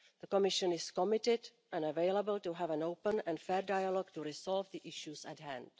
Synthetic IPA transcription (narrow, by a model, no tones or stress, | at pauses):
ðəkɔmɪʃə̃nɪskɔmɪtɪd | ʔɛ̃nəvejlabəltuɦɛvɛ̃nowpə̃nɛ̃nfɛːɾdajalɔɡtuɾɪsɔlvðiʔɪʃjusɛtɦæ̰̃nd̥